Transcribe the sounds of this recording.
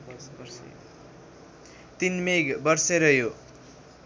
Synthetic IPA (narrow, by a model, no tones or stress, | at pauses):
t̪inmeɡbʌrseɾʌjo